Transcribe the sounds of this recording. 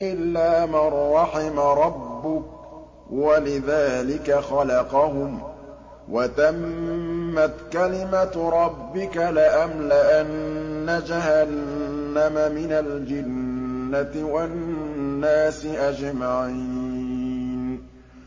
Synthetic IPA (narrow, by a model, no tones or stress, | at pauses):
ʔɪlːaːmarˤːɑħɪmaɾˤɑbːʊk̚ | walɪðaːlɪkaxɑlɑqɑhʊm | wʔat̪amː | at̪kalɪmaɾˤɑbːɪkalɪʔamlaʔanːad͡ʒahanːamamɪnald͡ʒɪnːat̪ɪwannːaːsɪʔad͡ʒmaʕi | n